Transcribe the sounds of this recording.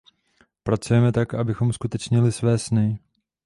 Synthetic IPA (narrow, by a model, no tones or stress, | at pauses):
pɾat͡sujɛmɛt̪akʔabɪxo̞mskut̪ɛt͡ʃɲɪlɪsvɛːsnɪ